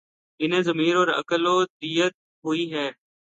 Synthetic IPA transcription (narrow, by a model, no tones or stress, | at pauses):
ɪnẽːzəmiːɾoːɾə̰kəloːd̪iːət̪̚ | ɦʊiːɦɛː